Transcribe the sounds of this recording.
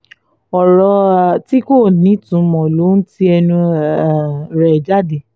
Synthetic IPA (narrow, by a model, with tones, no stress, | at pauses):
ɔ˨ɾɔ˧˨ti˦ko˦˨nĩ˨˦tũ˨˦mɔ̃˨lo˨˦n̩˦ti˦ɛ˧nũ˧˨ | ɾɛ˨d͡ʒa˦˨de˨